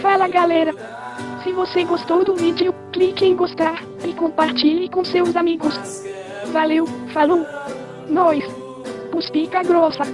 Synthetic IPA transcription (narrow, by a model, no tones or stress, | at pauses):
falɐɡalɛɾɐ | sɪvoseɡost̪owd̪ʊvid͡ʒiʊklikɪẽj̃ɡost̪aɾ | ɪkõpaɾt͡ʃilɪkõsewzamiɡʊs | valewfalow | nɔjs | puspikɐɡɾɔsɐ